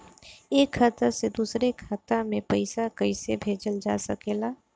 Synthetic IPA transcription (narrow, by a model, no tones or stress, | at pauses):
eːkʰːaːt̪əsed̪uːsɾekʰaːt̪amẽpəɪsakəɪsebʱeːd͡ʒəld͡ʒaːsəkeːlaː